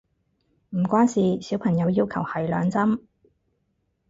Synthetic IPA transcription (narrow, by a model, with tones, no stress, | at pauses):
m̩˨˩kʷwaː˥nsiː˨siː˨˥wpʰɐ˨˩ŋjɐ˨˧wjiː˧˥wkʰɐ̰˨˩whɐ˨˩jlœ̰ː˨˧ŋt͡sɐ˥m